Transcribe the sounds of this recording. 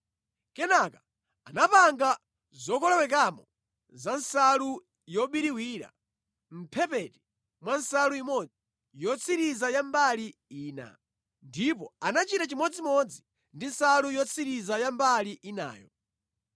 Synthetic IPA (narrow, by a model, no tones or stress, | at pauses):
kɛnaka | anapaŋɡa | zɔkɔlɛwɛk̬amɔ | zansalu | jɔɓiɾiwiːɾa̰ | m̩pʰɛpɛti̥ | mwansaluimɔd͡zi | jɔt͡sʰiɾizajambaliiːna̰ | ndip̬ɔanat͡ʃitat͡ʃimɔd͡zimɔd͡zi | ndinsalujɔt͡sʰiɾizajambaliʔina̰ːjɔ̰